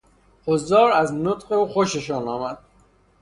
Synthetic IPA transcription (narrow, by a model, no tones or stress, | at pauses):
hozɒːɾæznot̪qeuːxoʃeʃɒːnɒːmæd̪̥̚